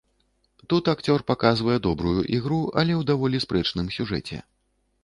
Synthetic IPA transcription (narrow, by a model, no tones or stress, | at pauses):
t̪ut̪akt͡sʲɔrpakazvɐjɛd̪ɔbɾujuʔiɣɾuɐ̰lʲɛwd̪avɔlʲispɾɛt͡ʂnɨmsʲuʐɛ̰t͡sʲɛ̰